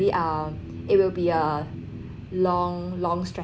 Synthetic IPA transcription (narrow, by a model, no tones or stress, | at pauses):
liʔʌm | ɪt̚wɪlbiə | lɔ̃ŋlɔ̃ŋstɹɛ